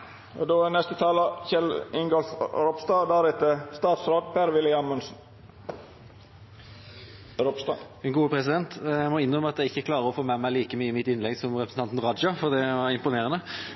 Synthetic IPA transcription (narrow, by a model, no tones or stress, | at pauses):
ɔd̪oːɛnɛst̪ət̪ʰɑːləçɛlɪŋɡɑlsɾɔpst̪ɑd̪æɾɪt̪əst̪ɑːt̪sɾoːd̪pʰæɾʋɪlɪɑmʉnsn̩ | ɾɔpst̪ɑ̰ː | ɛnɡuːəpʰɾɛsɪd̪ɛnt̪æmɔɪnːʁœməɑt̪jæɪɪçːəkʰlɑːɾəɔfoːmæmæɪliːkəmyːɪmɪt̪ːɪnlɛɡsɔmʁɛpɾsn̩ɑnt̪n̩ʁɑd͡ʒɑfɔʁd̪ɛʋɑɾɪmpʊneːʁənə